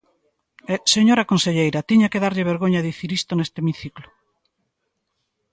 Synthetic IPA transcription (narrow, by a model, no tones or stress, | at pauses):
eseɲoɾɐkonseʎejɾɐt̪iɲakeðaɾʎɪβ̞eɾɣoɲaðiθiɾist̪onest̪emiθiklʊ